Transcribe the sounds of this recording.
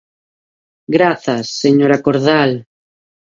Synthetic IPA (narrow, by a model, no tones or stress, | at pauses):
ɡɾaθasːeɲoɾakoɾðal